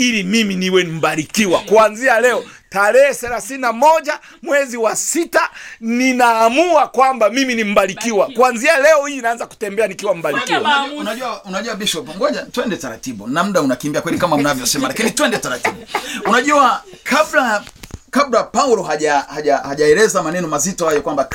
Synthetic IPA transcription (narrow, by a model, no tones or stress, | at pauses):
ilimiminiwɛm̩baɾikiwakuanzialɛɔtaɾɛhɛθɛlaθininamɔʄa | mwɛziwasitaninaːmuakwambamiminim̩balikiwakuanzialɛɔhiinaanzaku̥tɛmbɛanikiwam̩baɾikiwaunaʄuwaunaʄuwabiʃɔpŋɡɔʄatuɛndɛtaɾatiɓunam̩ɗaunakimbiakwɛlikamaunavjɔsɛmalakinitwɛndɛtaɾatiɓuunaʄuwakʰablakablapauɾɔɦaʄahaʄahaʄaɛɾɛzamanɛnɔmazitɔhajɔkwamba